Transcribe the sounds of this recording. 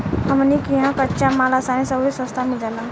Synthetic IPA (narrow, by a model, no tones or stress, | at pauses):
ɦəmnikiɦãkətːʃamalasanesəbisə̃st̪ʰamild͡ʒala